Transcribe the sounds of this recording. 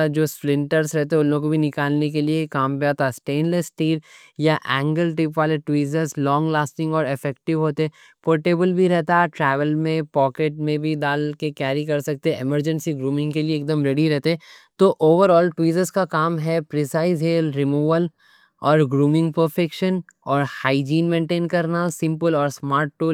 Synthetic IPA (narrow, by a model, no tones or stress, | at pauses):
d͡ʒoːsplɪ̃ɳʈəɾsɾɛɦt̪eɛ̃ʊnːõkobʱinɪkaːlnek̬eliekaːmpeat̪asʈeːnlesʈiːɾ | jaʔɛ̃ːŋɡəlʈɪpʋaːleʈwiːzəɾzlɔ̃ːŋɡlaːsʈɪ̃ŋɡɔːɾɪfɛk̚ʈɪʋɦoːt̪eɦɛ̃ | poːɾʈeːbəlbʱiɾɛɦt̪aʈɾɛːʋəlmẽpɔːkeʈ̚mẽbʱid̪aːlkekɛːɾikɐɾsɐk̚t̪eɛʔɪməɾd͡ʒə̃nsiɡɾuːmɪ̃ŋɡkelieːk̚d̪əmɾeɽiɾɛɦt̪eɛ̃t̪oːʔoːʋəɾɔːlʈwiːzəzkakaːmɦɛpɾɪsaːɪzɦeːlɾɪmuːʋəl | ɔːɾɡɾuːmɪ̃ŋɡ̚pəɾfɛkʃən | ɔːɾhaːɪd͡ʒiːnmẽːɳʈẽːnkɐɾnasɪ̃mpəlɔːɾsmaːɾʈ̚ʈːuː